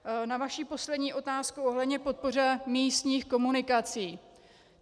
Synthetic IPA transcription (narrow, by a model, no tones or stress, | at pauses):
navaʃiːpo̞slɛdɲiːʔo̞t̪aːskuoɦlɛdɲɛpo̞t̪̚por̝ɛmiːst̪ɲiːxko̞munɪkat͡siː